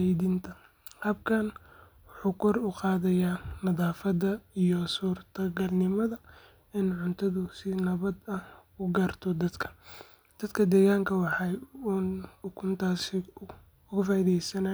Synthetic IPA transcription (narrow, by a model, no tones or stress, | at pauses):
jðiːnt̪ʰɐ | hɐb̚kʰɐn | wʊħuːkʰɔrʊqɑːðɐjaːnɐðaːfɐðɐijɔsuːrt̪ʰɐɡɐlnɪmɐðɐ | ɪnʕʊnt̪ʰɐðʊsɪnɐβɐd̪ɐhʊɡaːrt̪ʰɔd̪ɐd̪kʰɐ̥ | d̪̥ɐd̪kʰɐd̪ɛːɣaːŋkʰɐwɑħɑuːnkʰʊnt̪ʰaːs | ʊɣʊfaːiðɛjsɐnɐ